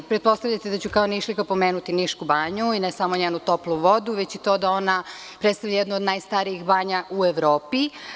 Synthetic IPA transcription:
pɾet̪̚po̞st̪aʋʎat̪ed̪at͡ɕukaoniʃlikapo̞meːnut̪iniʃkubaːɲuinesamo̞ɲeːnut̪o̞plˠuʋo̞d̪uʋet͡ɕit̪o̞d̪ao̞na | pɾet̪st̪aʋʎajed̪nood̪najst̪aɾiixbaːɲaʔueʋɾoːpi

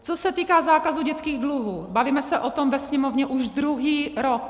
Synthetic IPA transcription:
t͡sosɛt̪iːkaːzaːkazuɟɛt͡skiːɣdluɦuːbaviːmɛsɛʔot̪omvɛsɲɛmovɲɛʔuʒd̪ɾuɦiːɾok

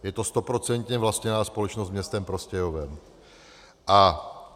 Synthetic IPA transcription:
jɛt̪o̞st̪o̞pɾo̞t͡sɛnt̪ɲɛvlast̪ɲɛnaːspo̞lɛt͡ʃnost̪mɲɛst̪ɛmpɾo̞scɛjovɛm | ʔa

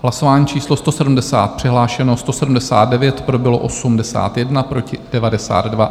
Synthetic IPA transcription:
ɦlaso̞vaːɲiːt͡ʃiːslo̞st̪o̞sɛdumdɛsa̰ːt̪̚pr̥ɪɦlaːʃɛno̞st̪osɛdumdɛsa̰ːd̪̚dɛvjɛt̪pɾo̞bɪlo̞̰ʔo̞sumdɛsa̰ːt̪jɛdnapɾo̞cɪd̥ɛvadɛsa̰ːd̪dva

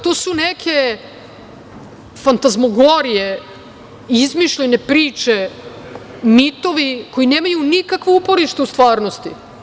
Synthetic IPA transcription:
t̪oːsunekʰe̞ | fant̪azmoɡoɾije | izmiʃʎenepɾiːt͡ʃe | mit̪o̞ʋiko̞jineːmajunikakʋoupo̞ɾiʃt̪eust̪ʋaːɾnost̪ḭ

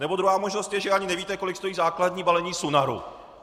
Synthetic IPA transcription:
nɛbo̞d̪ɾuɦaːmo̞ʒnost̪jɛʒɛaɲɪnɛviːt̪ɛko̞lɪkst̪o̞jiːzaːklad̪ɲiːbalɛɲiːsunaɾṵ

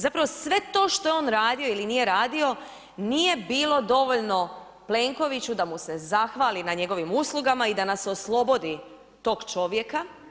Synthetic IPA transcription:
zapɾaʋosʋe̞t̪o̞ːʃt̪o̞jeo̞ːnɾaːd̪io̞ilinije̞ɾaːd̪io̞ | nije̞biːlˠo̞d̪o̞ʋo̞ʎno̞ | ple̞ːŋko̞ʋit͡ɕud̪amuse̞zaxʋaːlinaɲe̞ɡo̞ʋimuslˠuɡamaid̪anasoslˠo̞bo̞d̪i | t̪o̞ːɡt͡ʃo̞ʋje̞ka

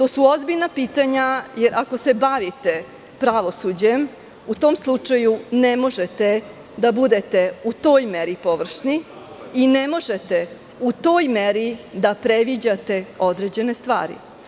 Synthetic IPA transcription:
t̪oːsuo̞zbiʎnapiːt̪aɲajeɾʔako̞se̞baʋit̪e̞ | pɾaʋo̞sud͡ʑe̞m | ut̪o̞ːmslˠut͡ʂajunemo̞ʒet̪e | d̪abud̪e̞t̪e̞ut̪o̞ːjme̞ɾipo̞ʋr̩ʂni | ine̞mo̞ʒet̪e̞ | ut̪o̞ːjmeɾid̪apɾeʋid͡ʑat̪e̞o̞d̪ɾe̞d͡ʑe̞ne̞st̪ʋa̰ːɾḭ

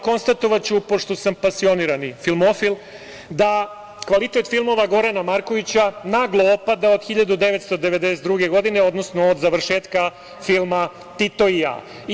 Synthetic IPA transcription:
ko̞nst̪at̪o̞ʋat͡ɕupo̞ʂt̪o̞sampasio̞niːɾanifilˠmo̞filˠ | d̪a | kʋalit̪e̞t̪filˠmo̞ʋaɡo̞ɾanamaɾko̞ʋit͡ɕanaɡlˠoopad̪aod̪xiʎad̪ud̪e̞ʋet̪st̪o̞d̪eʋe̞d̪eset̪d̪ɾuɡe̞ɡo̞d̪ineo̞d̪nosnoːd̪zaʋr̩ʃeːt̪ka | filˠma | t̪it̪o̞ia̰

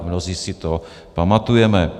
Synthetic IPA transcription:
mnoziːsɪt̪o | pamat̪ujɛmɛ

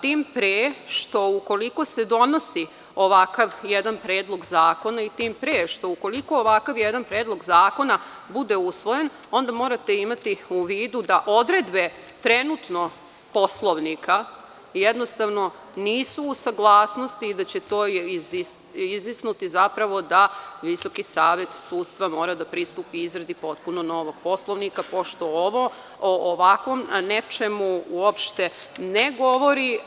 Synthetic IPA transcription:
t̪iːmpɾeːʃt̪o̞uko̞liko̞se̞d̪o̞no̞si | oʋakaʋjɛd̪anpɾeːd̪lˠo̞ɡzaːko̞nait̪iːmpɾeːʃt̪o̞uko̞liko̞ːʋakaʋjed̪anpɾeːd̪lˠo̞ɡzaːko̞na | bud̪eusʋo̞jen | o̞nd̪amo̞ːɾat̪e̞imat̪iuʋiːd̪ud̪aʔo̞d̪ɾe̞d̪be̞ | t̪ɾenut̪no̞ | po̞slˠoʋnikʰa | jed̪nost̪aʋno̞ | niːsuːsaɡlˠaːsno̞st̪iːd̪at͡ɕet̪o̞ːiis | izisnut̪izapɾaʋo̞d̪aʋiso̞kisaːʋet̪suːt̪st̪ʋamo̞ːɾad̪apɾist̪uːpiizɾed̪ipo̞t̪̚puno̞no̞ʋoɡ̥̚po̞slˠoʋnikapo̞ʃt̪o̞oʋo | oʔːʋakʋomnet͡ʃemuuopʃt̪eneɡo̞ʋo̞ɾi

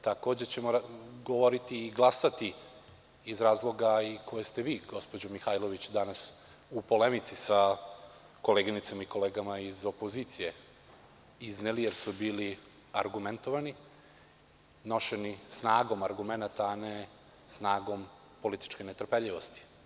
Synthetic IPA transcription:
t̪ako̞ːd͡ʑet͡ɕe̞moɾɡo̞ʋo̞ɾit̪iːɡlˠasat̪iː | zɾaːzlˠo̞ɡaikʰo̞jest̪e̞ʋiːɡo̞spod͡ʑomixaːjlˠo̞ʋit͡ɕd̪anas | upo̞le̞mit̪sisa | ko̞leɡinit̪samaiko̞leːɡamaizo̞poziːt̪sije̞ | iznelijeɾsubiːli | aɾɡument̪o̞ʋani | no̞ʃe̞nisnaːɡo̞maɾɡume̞nat̪aːne | snaːɡo̞m | po̞lit̪i̥t͡ʃkenet̪r̩peʎiʋo̞st̪i̥

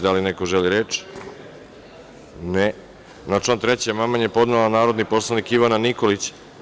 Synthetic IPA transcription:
d̪alinekoʒeliɾet͡ʃ | ne | nat͡ʃlant̪ɾet͡ɕamamanjepo̞d̪nelanaːɾod̪niposlˠanikiʋananikolit͡ɕ

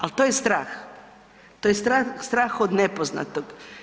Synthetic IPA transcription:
alt̪ojest̪ɾaːx | t̪ojest̪ɾast̪ɾaːxod̪nepozna̰t̪oɡ

